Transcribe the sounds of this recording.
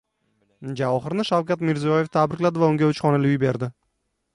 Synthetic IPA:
d͡ʒawɒχɨɾnɪʃawkʲat̪mɪɾzijɒjeft̪ʰabɾɪkʲlad̪ɪvaʊŋɡʲaʊt͡ʃχɒnalɪʊjbe̞ɾd̪ɪ

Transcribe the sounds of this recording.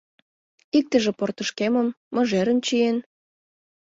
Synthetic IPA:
ik̚t̪ə̆ʒĕport̪ə̆ʃkeməmːɤ̆ʒeɾə̆nt͡ɕien

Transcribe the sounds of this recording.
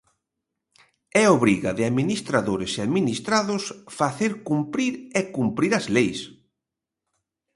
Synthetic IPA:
ɛoβɾiɣaðɪaðminist̪ɾaðoɾɪseaðminist̪ɾaðʊsfaθeɾkumpɾiɾɛkumpɾiɾɐzlejs

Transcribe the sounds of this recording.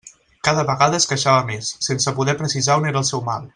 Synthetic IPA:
kaðəβəɣaðəːskəʃaβəmesːensəpuðɛpɾəsizaoneɾəːlˠsɛwma̰lˠ

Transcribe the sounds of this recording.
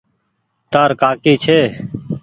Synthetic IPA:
t̪aːɾkaːkiːt͡ʃʰeː

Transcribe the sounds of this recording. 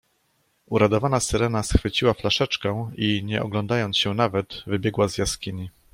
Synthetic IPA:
uɾad̪ɔvanasɘɾɛnasxfɘt͡ɕiwaflaʂɛt͡ʂkɛiɲɛʔɔ̰ɡlɔnd̪ajɔnt̪ɕɛnavɛd̪vɘbʲjɛɡwazjaskʲiɲi

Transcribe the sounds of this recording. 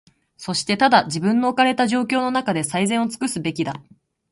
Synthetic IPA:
so̞ɕi̥t̪e̞t̪ad̪ad͡ʑibɯ̟̃nːo̞ːkaɾe̞t̪aʑo̞ːkʲo̞ːno̞nakad̪e̞saizẽ̞ɰ̃o̞t͡sɨ̥kɯ̟sɨbe̞kʲid̪a

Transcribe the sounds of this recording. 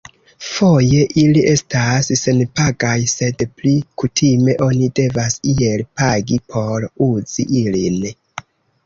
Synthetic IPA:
fo̞je̞ʔiliʔe̞stasːe̞npaɡajse̞dplikutʰime̞ʔo̞nide̞vasielpaɡipʰo̞ɾuz̥iʔilin

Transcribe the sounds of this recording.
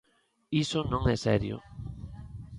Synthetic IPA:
isonõŋɛsɛɾjo̰

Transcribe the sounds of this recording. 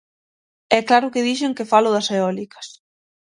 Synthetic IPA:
ɛklaɾʊkɪðiʃ̬eŋkɪfalʊðɐseɔlikɐ̥s

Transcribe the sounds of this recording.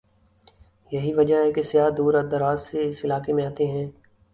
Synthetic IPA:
jɐɦiʋɐd͡ʒaɦɛkesɪjaːd̪uːɾɐd̪ɐɾaːzseɪsɪlaːkemẽaːt̪eɦɛ̃ː

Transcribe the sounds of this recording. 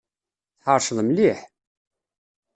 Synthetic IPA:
θħəɾˤʃəðmliħ

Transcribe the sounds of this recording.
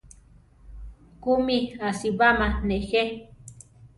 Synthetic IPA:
kumiasiβamanexe

